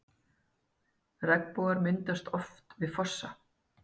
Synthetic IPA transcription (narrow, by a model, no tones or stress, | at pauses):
rɛkpowɣaɾmɪnt̪ast̪ɔft̪vɪðfɔsːa